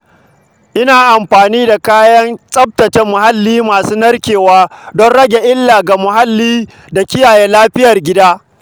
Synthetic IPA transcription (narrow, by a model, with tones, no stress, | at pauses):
ʔɪ˦naː˨ʔa˨mɸaː˨niː˦da˨kaː˦jɐ˦nsʼɐ˦b̚tɐ˨t͡ʃɛ˦mːʊ˨ɦa˦lːiː˦maː˨suː˦nɐ˦rkʲeː˨waː˦dɔ˦nɽɐ˦ɡʲe˨ʔɪ˦lːaː˨ɡa˨mʊ˨ɦa˦lːiː˦ | da˨kʲɪ˦jaː˨jeː˦laː˦ɸɪ˦jɐ˨rɡʲɪ˦daː˦